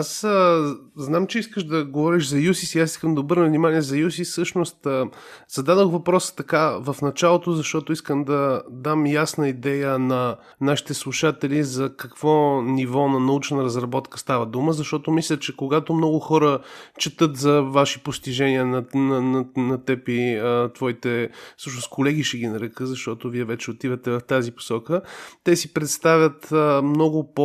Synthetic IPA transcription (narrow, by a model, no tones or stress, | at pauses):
asə | znamt͡ʃɛiskəʃd̪ɐɡovɔɾiʃzɐjusisiasi̥skəmd̪ɐobɤɾnəvnimaniɛzɐjus̬isɤʃnost̪ːz̥ɐd̪ad̪oxvɐpɾɔsə̥t̪ɐkavəfnɐt͡ʃalˠot̪ozɐʃt̪ɔt̪oiskəmd̪ɐd̪amjasnəid̪ɛjənɐ | naʃi̥t̪ɛslˠuʃat̪ɛlizɐkɐkv̥ɔnivɔnɐnɐut͡ʃnəɾəzɾɐbɔt̪kə̥st̪avəd̪uməzɐʃt̪ɔt̪omislʲət͡ʃɛkoɡat̪omnɔɡʊxɔɾət͡ʃɛt̪ɤt̪zɐvaʃipost̪iʒɛniənɐnɐnɐnɐt̪ɛpit̪vɔit̪ɛsɤʃnoskolɛɡiʃɛɡʲinɐɾɛkɤzɐʃt̪ɔt̪oviɛvɛt͡ʃɛot̪ivət̪ɛvɐft̪azipo̥sɔkət̪ɛsipɾɛt̪st̪avʲət̪mnɔɡʊpo